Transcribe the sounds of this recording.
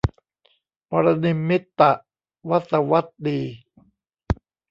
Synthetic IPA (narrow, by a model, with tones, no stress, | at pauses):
pɔ˧ɾa˧ni˧mːi˦˥t̪ːa˨ʔ | wa˦˥t̪sa˧wa˦˥t̪̚diː˧